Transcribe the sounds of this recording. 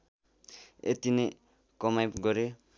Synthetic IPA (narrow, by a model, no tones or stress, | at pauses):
ḛt̪ine | kʌmajpɡʌɾe